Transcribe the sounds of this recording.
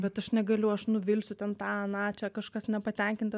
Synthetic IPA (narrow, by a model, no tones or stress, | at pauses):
bʲɛt̪ɐʃnʲɛɡɐlʲʊɐʃnʊʋʲɪlʲsʲʊt̪ʲɛnt̪ɑːɐnɑːt͡ʃʲɛkɐʃkɐsnʲɛpɐt̪ʲɛŋʲkʲɪnt̪